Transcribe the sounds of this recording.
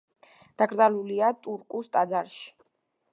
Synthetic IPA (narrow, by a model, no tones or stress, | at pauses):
d̪̥aɡɾd̪aluliat̪ʼuɾkʼust̪ʼad̪zaɾʃi̥